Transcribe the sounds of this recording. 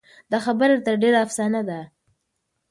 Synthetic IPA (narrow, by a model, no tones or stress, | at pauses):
d̪axabəɾat̪əɾɖeɾaːfsɑnad̪a